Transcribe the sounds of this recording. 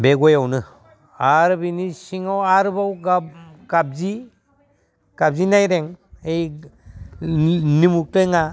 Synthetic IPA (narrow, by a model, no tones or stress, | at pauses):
beɡɔjawnɯ | aɾbinisiŋawaɾbawɡakab̚zi | kab̚zinajɾeŋej | nimuk̚tɯŋa